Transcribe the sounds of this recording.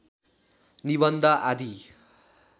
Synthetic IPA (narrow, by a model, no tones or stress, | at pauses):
niβʌnd̪ʱaʔad̪ʱi